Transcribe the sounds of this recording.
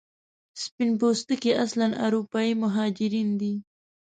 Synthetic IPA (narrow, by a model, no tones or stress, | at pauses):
spɪnpost̪əkeʔaslanʔa̰ɾupɑimʊɦɑd͡ʒɪɾind̪i